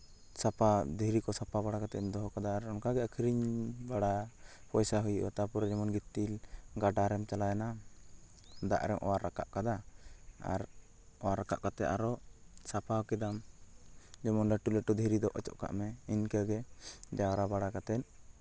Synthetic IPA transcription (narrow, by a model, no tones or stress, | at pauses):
sapʰad̪ʱiɾikɔsapʰabaɽakat̪ɛnd̪ɔɦɔkad̪aːɾɔŋkaɡɛakʰiɾiɲbaɽapɔjsaɦujuʔɔ̰t̪apɔɾɛd͡ʒɔmɔnɡit̪ːilɡaɖaɾɛmt͡ʃalajana | d̪a̰ʔɾɛŋʔɔ̰waɾːaka̰ʔkad̪aa̰ɾ | ɔwaɾːaka̰ʔkat̪ɛʔaɾɔsapʰakɛd̪am | d͡ʒɔmɔnɖaʈulɛʈud̪ʱiɾid̪ɔʔɔt͡ʃɔ̰ʔka̰ʔmɛinkəɡɛd͡ʒaɾabaɽakat̪ɛn